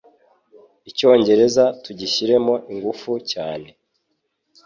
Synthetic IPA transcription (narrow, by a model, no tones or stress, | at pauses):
ico̞ːɲɟe̞ɾe̞zatuɟiʃiɾe̞mo̞ʔiŋɡufucaːne̞